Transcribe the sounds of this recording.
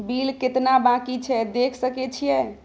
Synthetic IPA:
bilket̪nabãkit͡ʃʰɛd̪ekʰsəkɛt͡ʃʰijɛ

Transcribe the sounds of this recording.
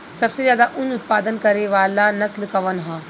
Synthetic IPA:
sɐbsezjaːd̪aʔʊɲʊt̪̚paːd̪ənkɐɾeʋaːlanɐslkɐʋənɦãː

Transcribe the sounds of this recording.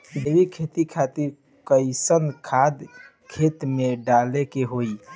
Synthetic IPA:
d̪ebikʰet̪ikʰat̪iɾ | kəɪsənkʰad̪ | kʰet̪meɖalekeɦoi

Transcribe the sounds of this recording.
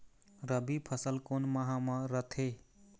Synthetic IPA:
ɾəbipʰəsəlkonmaɦãmʌɾət̪ʰe

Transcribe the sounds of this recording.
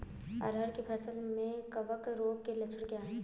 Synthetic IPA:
ɐ̰ɾəɾkepʰɐsəlmẽkɐʋəkɾoːɡ̚kelɐt͡ʃʰəɽkeaːɦɛ̃ː

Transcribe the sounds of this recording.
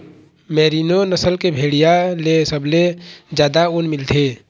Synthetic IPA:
mɛːɾiːnonəsəlkebʱeːɽijalesəbled͡ʒjaːd̪aʊnmɪlt̪ʰeː

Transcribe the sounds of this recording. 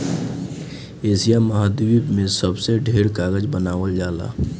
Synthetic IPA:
eːsijamɐɦaːd̪iwibmẽsəbseɖʱeːɾkaːɣəd͡ʒbənaːʋəld͡ʒaːla̰ː

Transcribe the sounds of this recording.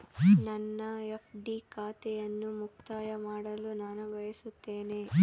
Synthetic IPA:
nɐnːɐepʰɖiːkaːt̪ɛjɐnːumuk̚t̪aːjɐmaːɽɐlunaːnuʋɐjɐsut̪ːeːneː

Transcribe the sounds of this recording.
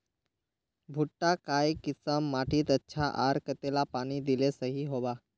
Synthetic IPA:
bʱuʈːakajkisəmːaʈʰiːt̪ətːɕʰaʔaɾkət̪elapaɽ̃id̪ilesəɦiɦoʋa

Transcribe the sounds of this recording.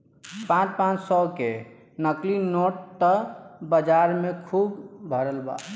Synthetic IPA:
pãt͡ʃpãt͡ʃsɔke | nəklinoʈt̪əbəd͡ʒaɾmekʰubbʱəɾəlba̰

